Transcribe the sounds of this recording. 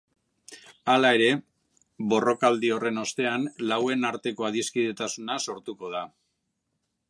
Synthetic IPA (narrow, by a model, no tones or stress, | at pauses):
alae̞ɾe̞ | βo̞ro̞kald̪io̞re̞no̞st̪e̞anlawe̞naɾt̪e̞ko̞aðiskiðe̞t̪asunaso̞ɾt̪uko̞ð̞a